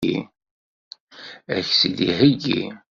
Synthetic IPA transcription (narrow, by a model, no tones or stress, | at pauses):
ḭ | æçsid̪ihəɡḭ